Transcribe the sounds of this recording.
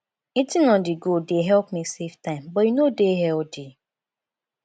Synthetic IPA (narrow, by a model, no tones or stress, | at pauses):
itinɔ̃ndɪɡodeɦɛlpmiseftãɪ̃mbɔinodeɦɛldi